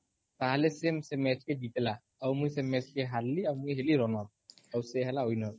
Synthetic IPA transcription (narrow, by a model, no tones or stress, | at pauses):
t̪aɦlesemsemɛt͡ʃked͡ʒit̪la | əmujsemɛt͡ʃkeɦalːiawmujɦeliɾɔnɔt̚ | ɔwseɦɛlaojnɔɾ